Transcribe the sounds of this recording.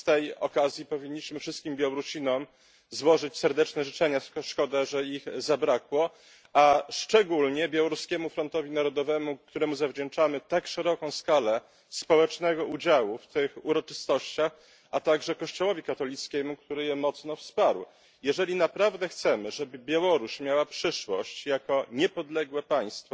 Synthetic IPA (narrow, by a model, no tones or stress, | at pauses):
ft̪ɛjɔ̰kazʲjipɔvʲiɲːiɕmɘfʂɘst̪̚kʲimbʲjawɾuɕinɔm | zwɔʐɘt͡ɕsɛɾd̪ɛt͡ʂnɛʐɘt͡ʂɛɲaʂkɔd̪ɛʐɛixzabɾakwɔ | aʂt͡ʂɛɡulɲɛbʲjawɔɾuskʲɛmufɾɔnt̪ɔvʲinaɾɔd̪ɔvɛmukt̪uɾɛmuzavd͡ʑɛnt͡ʂamɘt̪akʂɛɾɔkɔ̃w̃skalɛ | spɔwɛt͡ʂnɛɡɔud͡ʑawuft̪ɘxuɾɔt͡ʂɘ̥st̪ɔɕt͡ɕax | at̪aɡʐɛkɔɕt͡ɕɔwɔvʲikat̪ɔlʲit̪skʲɛmukt̪uɾɘjɛmɔt̪snɔfspaɾw | jɛʐɛlʲinapɾavd̪ɛxt̪sɛmɘʐɛbɘbʲjawɔɾuɕmʲjawapʂɘʂwɔ̰ɕt͡ɕjakɔɲɛpɔd̪lɛɡwɛpaj̃st̪fɔ